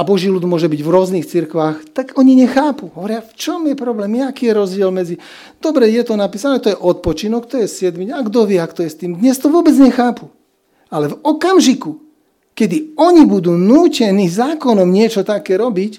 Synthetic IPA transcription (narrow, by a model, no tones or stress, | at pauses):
abɔʒilud̪mʊɔʒɛbiɟvɾʊɔzniːxt͡siɾkʋaːxt̪aɡɔɲiɲɛxaːpuɦɔʋɔɾɪaft͡ʃɔmjɛpɾɔblɛːmɛakiːjɛɾɔzɟɪɛlmɛd͡zi | d̪̥ɔbɾɛjɛt̪ɔnapiːsanɛːt̪ɔjɛʔɔt̪̚pɔt͡ʃinɔkt̪ɔjɛsɪɛd̪miɲaɡd̪ɔʋɪɛakt̪ɔjɛst̪iːmd̪ɲɛst̪ɔʋʊɔbɛd͡zɲɛxaːpu | alɛvɔkamʒiku | kɛd̪iɔɲibud̪uːnuːcɛniːzaːkɔnɔmɲɪɛt͡ʃɔt̪akɛːɾɔbic